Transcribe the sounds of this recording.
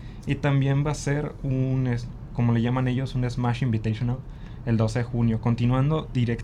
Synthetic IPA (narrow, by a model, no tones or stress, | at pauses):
it̪ambje̞mbase̞ɾunes | ko̞mo̞leʝamãne̞ʝo̞sunezmaʃimbit̪esjonal | e̞ld̪o̞seðexunjo̞ko̞nt̪inwãnd̪o̞ðiɾek